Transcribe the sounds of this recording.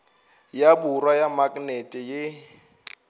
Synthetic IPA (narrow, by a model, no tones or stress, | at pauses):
jaburwajamakʼnɛtʼɪjɪ